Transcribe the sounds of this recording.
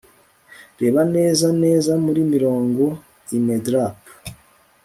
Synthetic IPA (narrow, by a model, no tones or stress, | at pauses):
ɾe̞ːβane̞ːzane̞ːzamuɾimiɾo̞ːŋɡo̞ | imedɾap